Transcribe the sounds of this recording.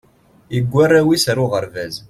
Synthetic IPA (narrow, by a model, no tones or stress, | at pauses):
iɡʷːarːæwisɾʊʁəɾvæz